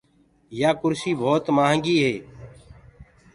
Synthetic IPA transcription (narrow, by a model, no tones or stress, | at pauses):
jaːkʊɾsiːbʱoːt̪maːɦə̃ŋɡiːɦeː